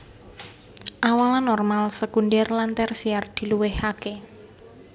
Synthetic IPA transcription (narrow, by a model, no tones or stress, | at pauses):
ʔawalanɔrmalsəkundɛrlant̪ɛrsiard̪̥i̤luwɪhake